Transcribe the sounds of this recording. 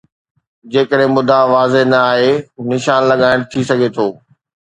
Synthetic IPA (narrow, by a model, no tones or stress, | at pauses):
d͡ʑeːkəɾɦɪ̃mʊd̪ʱaʋaːzenɐaːɦenɪʃaːnlɐɠaːɪɽ̃t̪ʰisɐɡʱet̪ʰoː